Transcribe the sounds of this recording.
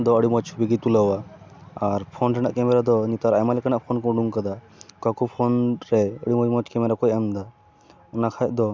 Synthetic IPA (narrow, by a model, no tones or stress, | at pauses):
d̪ɔəɽimɔt͡ʃʰubiɡit̪ulawaaɾpʰonɾɛna̰ʔkɛmɛɾad̪ɔnit̪aɾajmalikənaʔpʰonkɔɖuŋkəd̪a | kakupʰonɾɛəɽimɔt͡ʃmɔt͡ʃʰkɛmɛɾakɔjəmd̪a | unakʰajʔd̪ɔ